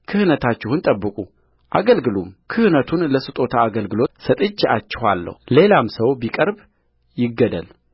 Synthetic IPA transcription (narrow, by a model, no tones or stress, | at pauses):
kʰɨhnət̪ʰat͡ʃːɪhunt̪ʼəbːɨkʼu | ʔa̰ɡəlɡɨlumkʰɨhnət̪ʰunləsɨt̪ʼo̞t̪ʰaːɡəlɡɨlo̞t̪sət̪ʼɨt͡ʃːat͡ʃːɪhalːə̰hle̞lamsəwbikʼəɾb | jɪɡːəd̪əl